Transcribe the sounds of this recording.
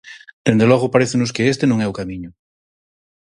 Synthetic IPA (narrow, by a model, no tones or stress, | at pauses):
d̪̥end̪eloɣopaɾeθenos̬keest̪enõŋɛukamĩɲʊ